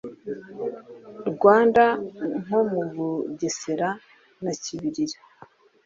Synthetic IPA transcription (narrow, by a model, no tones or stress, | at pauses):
ɾɡwaːndaŋomuvuɟeseɾa | naciβiɾiɾḁ